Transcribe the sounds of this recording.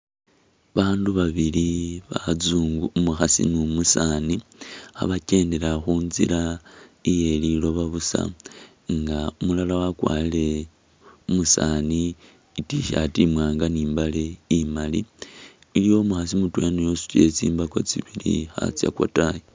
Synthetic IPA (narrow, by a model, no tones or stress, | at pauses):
βaːnduβaβiliβazuːŋɡumuxasḭnumusania̰βace̞ːnde̞ɾaxuːnzḭɾaije̞lilo̞βaβusa̰ | ŋɡaumulalawakwa̰ːlile̞ | umusaniː | tiʃa̰timwaːŋɡaniːmbale̞imaliː | lijo̞muxasimutweanujosu̥te̞̰t͡sḭːmbako̞̰t͡siβilḭxa̰t͡sja̰kwa̰taje